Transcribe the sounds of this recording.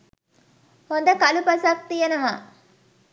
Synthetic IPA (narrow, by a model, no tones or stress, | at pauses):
ɔnd̪ɐkɐlupɐsak̚t̪ijɐnɐmaː